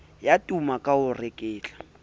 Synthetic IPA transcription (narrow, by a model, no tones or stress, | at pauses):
jatʼumakʼaʊrɪkʼɪːt͡ɬʼḁ